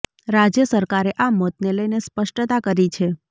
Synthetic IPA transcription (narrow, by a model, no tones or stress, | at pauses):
ɾad͡ʒjəsəɾkaɾeʔamɔt̪neləjnespəʃʈt̪akəɾit͡ʃʰe